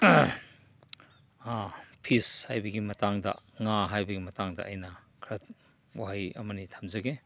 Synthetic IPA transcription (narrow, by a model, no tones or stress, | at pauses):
apʰishajbɐɡimɐtaŋdɐ̰ŋaɦajbɐɡimɐtaŋdɐ̰ʔːjnɐ | kʰɾɐt̚ | wahajɐ̰mɐnitʰḁmzɐɡe